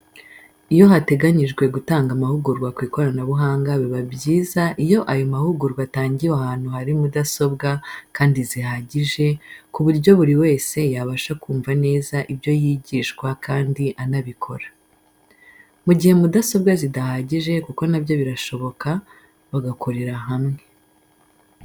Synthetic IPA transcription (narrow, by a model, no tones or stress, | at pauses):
ijo̞ɦate̞ɡaɲiʒɡwe̞ɡutaːŋɡamahuɡuɾɡwakwiːko̞ɾanaβuɦaːŋɡaβiβabɟiːzaʔijo̞ʔajo̞mahuɡuɾɡwataːɲɟijahaːn̥huhaɾimudaso̞bɡakaːndizihaːɟiʒe̞kuβuɾɟo̞βuɾiwe̞ːse̞jaβaʃakuːɱvane̞ːzaʔibjo̞jiːɟiːʃkwakaːndiʔanaβikʰo̞̰ɾḁ | muɟihe̞mudaso̞bɡazidahaːɟiʒe̞kuko̞nabjo̞βiɾaʃo̞βo̞ka | βaɡakʰoɾe̞ɾaɦamŋe̞